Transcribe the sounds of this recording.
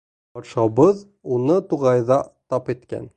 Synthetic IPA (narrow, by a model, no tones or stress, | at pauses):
bɒt̪ʃɑbɤð | unɤt̪uʁɑjðɑt̪ɑpit̪kæ̰n